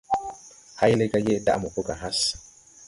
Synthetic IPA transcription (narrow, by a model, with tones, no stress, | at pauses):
ha˦jle˦ɡa˦je˦da̰˦ʔmo˨ko˦ɡa˨ɦa˦s